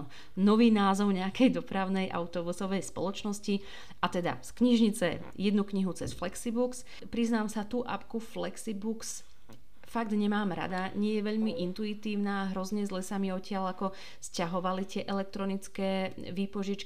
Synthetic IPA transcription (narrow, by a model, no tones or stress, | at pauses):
nɔʋiːnaːzɔʊɲɛakɛjd̪ɔpɾaʊnɛjʔa̰ʊt̪ɔbusɔʋɛjspɔ̰lˠɔt͡ʃnɔsci | ʔat̪ɛd̪a̰skɲiʒɲit͡sɛ̰ | jɛd̪nukɲiɦut͡sɛ̰sflɛksibuks | pɾiznaːmsat̪uːʔa̰pkuflɛksibuks | faɡd̪ɲɛmaːmɾa̰d̪aɲɪɛjɛʋɛʎmiʔint̪uit̪iːʊnaːɦɾɔzɲɛzlɛsamiɔcɪaʎakɔ | scaɦɔʋalit̪ɪɛʔɛlɛk̚t̪ɾɔnit͡skɛː | ʋiːpɔʒit͡ʃki